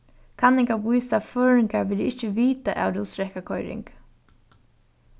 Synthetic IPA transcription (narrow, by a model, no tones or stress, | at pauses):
kʰanɪŋkavujsaføːɻɪŋkaɹʋɪlɪhcɪviːt̪aʔa̰wɾusɾɛhkakʰɔjɾɪ̰ŋk